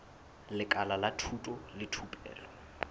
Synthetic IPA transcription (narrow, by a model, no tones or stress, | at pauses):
lɪkʼalalatʰutʼɔlɪtʰupʼɛ̰ːlɔ